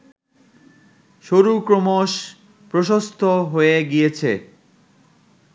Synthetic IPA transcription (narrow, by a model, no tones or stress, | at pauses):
ʃoɾukɾomoʃ | pɾoʃost̪ʰoɦoeɡijet͡ɕʰḛ